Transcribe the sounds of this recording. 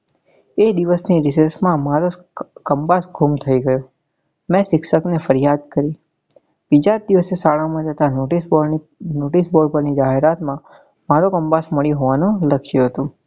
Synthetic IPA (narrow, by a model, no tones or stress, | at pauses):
ed̪iʋəsniɾɪseɾsmãmaɾo | kəmbasɡʱumt̪ʰəiɡəjo | mɛ̃sɪkʃəknefəɾjad̪̚kəɾi | bid͡ʒad̪iʋəsesaɭamãd͡ʒət̪aʈs | noʈisboɽpəɾnid͡ʒaɦeɾat̪mã | maɾokəmbasməɭiɦoʋanũləkʰjuɦət̪ũ